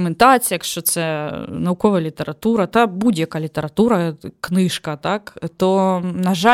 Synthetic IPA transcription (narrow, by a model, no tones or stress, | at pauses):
mɨnt̪asʲijɐkʂt̪ot̪sɛnɐukovɐjlʲɪt̪əɾɐt̪uɾɐt̪abudʲɐkɐlʲɪt̪əɾɐt̪uɾɐknɨʂkɐt̪akt̪onɐʐa